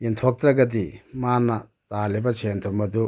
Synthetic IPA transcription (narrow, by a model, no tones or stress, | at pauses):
ent̪ʰɔk̚t̪ɾɐɡɐt̪̬imaːnːɐt̪aːlibɐt͡ʃʰeːnt̪ʰumɐd̪u